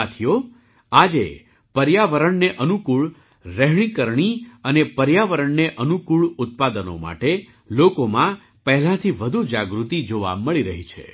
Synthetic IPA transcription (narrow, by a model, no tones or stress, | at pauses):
at̪ʰijo | ad͡ʒḛ | pəɾjaʋəɾəɳneʔənukuɭ | ɾɛɦɳ̃ikəɾɳ̃iənepəɾjaʋəɾəɳneʔənukuɭʊt̪̚pad̪əno̰ma̰ʈe | lokomã | pəɦɛlãt̪ʰiʋəd̪ʱud͡ʒaɡɾut̪id͡ʒoʋa̰məɭiɾəɦit͡ʃʰḛ